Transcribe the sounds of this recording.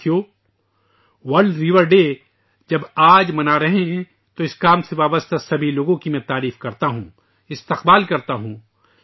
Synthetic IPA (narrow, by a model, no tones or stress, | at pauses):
joː | wɐɾɾiʋəɾɖeː | d͡ʒɐbaːd͡ʒmɐnaɾɐɦeɦɛ̃ | t̪oɪskaːmseʋaːbəst̪asɐbʱiloːɡõkimɛ̃t̪aːɾiːfkɐɾt̪aɦũː | ɪst̪ɪqbaːlkɐɾt̪aɦũː